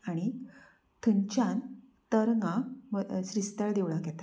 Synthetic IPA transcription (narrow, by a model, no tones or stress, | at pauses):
aɽ̃i | t̪ʰəɲt͡ɕãn | t̪əɾŋɡaməsɾist̪aɭd̪eʋɭakjɛt̪ḁ